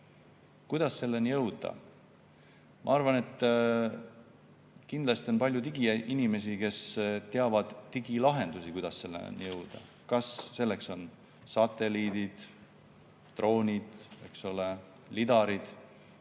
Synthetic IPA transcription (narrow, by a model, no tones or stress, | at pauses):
kujd̪ɑsːe̞lːenijɤwd̪̥ɑ̰ | mʔɑ̰ɑrvɑne̞t̪ː | kind̪lɑst̪io̞npɑlʲjut̪iɡiʔinime̞sike̞st̪e̞ɑvɑd̪̥t̪iɡilɑɦe̞nd̪usikujd̪̥ɑsse̞lːḛnjɤwd̪̥ɑ̰ | kɑsːe̞lːe̞kso̞n | sɑt̪ːˑe̞liːd̪id̪̥ | t̪ro̞ːnʲid̪̥e̞ksole | lid̪̥ɑɾid̪̥